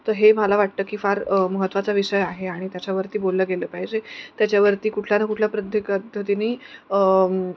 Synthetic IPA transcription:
t̪əɾɦemalaʋaʈ̚t̪əːkiːfaɾməɦət̪ːʋat͡saʋiʂəjaɦeaɽ̃it̪jat͡ɕjaʋəɾt̪iːbolːəːɡeləːpaɦid͡ʑet̪jat͡ɕjaʋəɾt̪iːkuʈʰlanakuʈʰlapɾəd̪ʱjəkəd̪ʱət̪iniːə

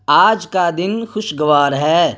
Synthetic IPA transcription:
aːd͡ʒkad̪ɪnxʊʃɡɐʋaːɾɦɛː

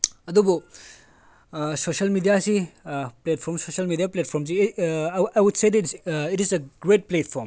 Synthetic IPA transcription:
ɐdubu | sosɐlmidijasiplet̚pʰoɾmsosɐlmidiaplet̚pʰoɾms̬i | ajwudseditsitiseɡɾet̚pletpʰoɾm

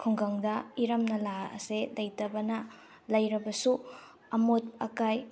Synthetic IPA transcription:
kʰuŋɡɐŋdɐiɾɐmnɐlaɐ̰selɐjtɐbɐnɐ | lɐjɾɐbɐsu | ɐmot̚ɐkaj

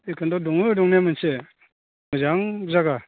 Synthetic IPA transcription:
ekʰɯndɔdɔŋnɯdɔŋnemɯnse | mɯzaŋzaɡa

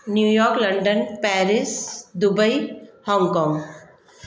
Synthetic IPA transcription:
njuːjɔːɾklɐɳɖənpɛːɾɪsd̪ʊbəihɔ̃ːŋɡkɔːŋ

